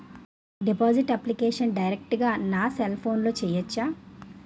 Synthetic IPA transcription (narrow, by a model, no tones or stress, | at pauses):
ɖipaːziʈɐplikeːʂɐnɖɐjɾek̚ʈɡaːnaːselpʰo̞ːnlo̞ːt͡ʃɛːjɐt͡ʃːaː